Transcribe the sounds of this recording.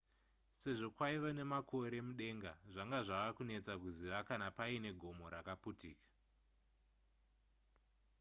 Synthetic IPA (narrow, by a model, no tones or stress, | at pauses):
se̞ʐo̞kwaiʋone̞makʰo̞ɾe̞muɗe̞ŋɡaʐaŋɡaʐaʋakune̞t͡sakuziʋakanapaine̞ɡʱo̞mo̞ɾakaputiːkḁ